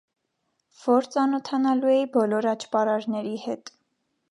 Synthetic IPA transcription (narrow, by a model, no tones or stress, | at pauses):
v̥ɔɾt͡sɑnɔt̪ʰɑnɑluɛibɔlɔɾɑt͡ʃʰpɑɾɑɾnɛɾihɛt̪